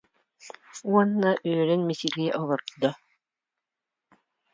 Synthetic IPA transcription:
uɔnːaʔøːɾɛnmisiɡiʔɔlˠɔɾd̪ɔ

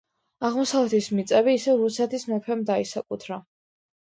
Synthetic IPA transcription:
aʁmɔsavlɛt̪ʰismit̪sʼɛbiːsɛɾusɛt̪ʰismɛkʰwɛmd̪aisakʼut̪ʰɾa

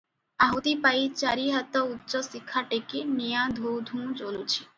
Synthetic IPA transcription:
aɦut̪ipait͡ɕaɾiɦat̪ɔutːt͡ʃɔsikʰːaʈekinijãd̪ʱuwd̪ʱũt͡ʃolut͡ʃʰi̥

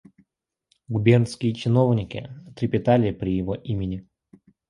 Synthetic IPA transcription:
ɡʊbʲernskʲɪjət͡ɕɪnovnʲɪkʲɪ̰t̪ɾʲɪpʲɪt̪alʲɪpɾʲɪjɪvoʔimʲɪnʲɪ

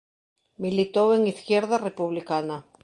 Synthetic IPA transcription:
milit̪oweŋiθkjeɾðarepuβlikana

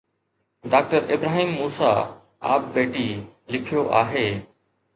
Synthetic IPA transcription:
ɖaːk̚ʈəɾɪbɾaːɦiːmːuːsa̰ː | a̰ːp̚beːʈiːlɪkʰijoːʔaːɦeː

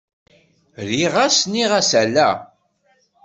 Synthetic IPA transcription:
ɾiʁasniʁæsælæ

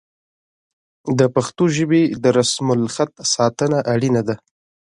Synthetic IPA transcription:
d̪əpaxt̪oʒəbed̪əɾasmʊlxat̪̚sɑt̪ənaʔaɽinad̪a

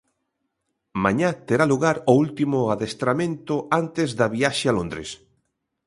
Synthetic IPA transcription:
mãɲat̪eɾaluɣaɾoult̪imʊaðest̪ɾamẽnt̪ʊant̪ezðaβiaʃɪalõnd̪ɾḛs

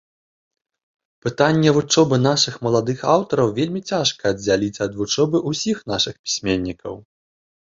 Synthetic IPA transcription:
pɨt̪anʲːɛvut͡ʂɔbɨn̪aʂɨxmɐlˠad̪ɨxawt̪ɐɾɐwvʲelʲmʲit͡sʲaʂkɐːd͡zʲalʲit͡sʲɐd̪vut͡ʂɔbɨʔusʲixn̪aʂɨxpʲi̥sʲmʲenʲːikɐ̰w

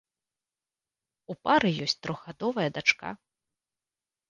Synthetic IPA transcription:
upaɾɨjɔsʲt͡sʲt̪ɾɔɣɣad̪ɔvɐjɐd̪at͡ʂka̰

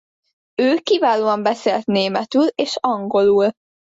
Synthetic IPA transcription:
øːkivaːloːɒmbɛseːlt̪neːmɛt̪yleːʃɒŋɡo̞luːl

